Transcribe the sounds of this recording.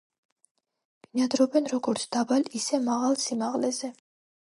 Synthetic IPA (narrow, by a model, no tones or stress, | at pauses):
v̥inad̪ɾɔbɛnɾɔɡɔɾt̪sʰd̪abalisɛmaʁalˠsimaʁlɛzɛ